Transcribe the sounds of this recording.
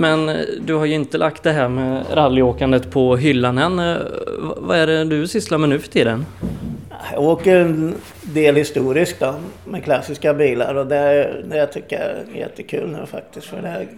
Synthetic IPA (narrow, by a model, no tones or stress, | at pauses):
mɛnd̪ɵhaɾjɵɪnt̪əlʔakt̪̚d̪ɛɦæːɾmɛɾalːjoːkand̪ət̪pʰɔɦʏlːanənvva̰æɖɛd̪ɵsɪst̪lamːənʉ̟ːfœ̥t̪ʰiːd̪ənajɑ̰ːɡoːkəɾɛn | d̪eːlhɪst̪uːɾɪsk̚d̪ɔmɛkʰlasːɪskabiːla̰ɾɔd̪ɛd̪ɛat̪ʰʏkːəɛ̰jɛ̰t̪ːəkʰʉ̟̰ːlnʉ̟ːfa̰k̚t̪ɪst̪fœ̰ɖɛ